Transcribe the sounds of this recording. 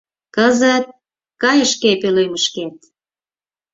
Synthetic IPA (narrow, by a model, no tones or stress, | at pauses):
kəzət̪̚ | kɑjəʃkepeløjməʃket̪̚